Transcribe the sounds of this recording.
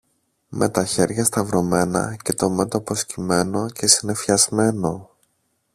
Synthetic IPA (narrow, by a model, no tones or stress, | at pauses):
mʔe̞t̪ɐçe̞ɾʝɐst̪ɐvɾo̞me̞nɐ̰ce̞t̪o̞me̞t̪opo̞scime̞no̞ce̞sine̞fçɐzme̞no̞